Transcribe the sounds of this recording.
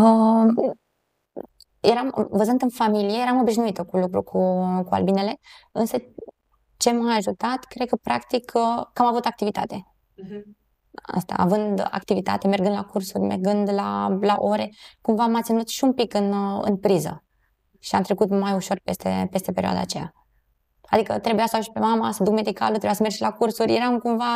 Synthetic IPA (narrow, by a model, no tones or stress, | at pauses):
ə | je̞ɾamvəzɨnd̪ɨnfamilije̞jeɾamo̞biʒnuit̪əkulukɾukʰukua̰lbine̞le̞ɨnsə | t͡ʃe̞maːʒut̪at̪kɾe̞d̪̚kəpɾakt̪ikʰkamavut̪ak̚t̪ivit̪a̰t̪e̞ | a̰st̪a̰ːvɨnd̪a̰kt̪ivit̪a̰t̪e̞me̞rɡɨnd̪lakursurʲme̞̰rɡɨnd̪la̰laʔo̞ɾe̞kumvamat̪sʲinut̪ʃiunpikɨnɨ̰npɾizə̰ | ʃiamt̪ɾe̞kut̪majuʃo̞rpest̪ḛpe̞st̪e̞peɾioa̰d̪a̰ːt͡ʃe̞ja̰ | ad̪ikə̰t̪ɾe̞bujasauʃi̥pe̞mamasəd̪ukme̞d̪ika̰lət̪ɾewjasəmed͡ʒʃilakursuɾʲjeɾamkumva